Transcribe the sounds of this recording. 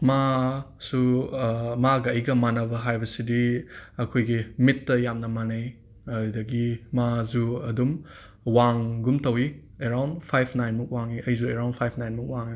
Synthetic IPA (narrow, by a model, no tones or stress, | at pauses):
ma | su | maɡɐːjɡɐmanɐbɐɦajbɐsidiɐkʰojɡimitːɐjamnɐmanɐj | ɐdɐɡimazuɐdum | waŋɡumtɐwi | eɾawnpʰajpʰnajnmuk̚waŋiɐjzueɾawnpʰajpʰnajnmuk̚waŋi